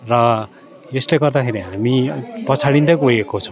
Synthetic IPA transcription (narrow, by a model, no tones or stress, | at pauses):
rʌ | esleɡʌrd̪akʰeɾiɦamipʌt͡sʰaɽind̪ʌkojekot͡sʰʌw̃